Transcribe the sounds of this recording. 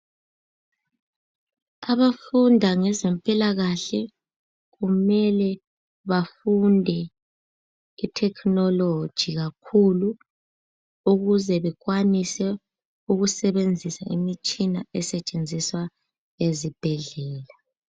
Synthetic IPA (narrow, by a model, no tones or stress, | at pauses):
aβafundʱaŋɛzɛmpʼilaɣaɬɛ | ɣumɛlɛ | βafundʱɛ | itʰɛkʰnɔlo̥ʒ̥ʱiɣakʰulu | uɣuzɛβɛɣwanisɛ | uɣusɛβend͡zʱisa̰imit͡ʃʼinaɛsɛt͡ʃʼend͡zʱiswa | ezib̥ʱɛɮɛːla